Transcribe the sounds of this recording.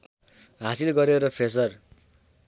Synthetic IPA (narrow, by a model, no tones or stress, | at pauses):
ɦasilɡʌɾeɾʌpʰes̬ʌr